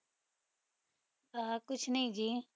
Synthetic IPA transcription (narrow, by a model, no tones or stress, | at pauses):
aːkʊt͡ʃʰnəɦĩd͡ʒiː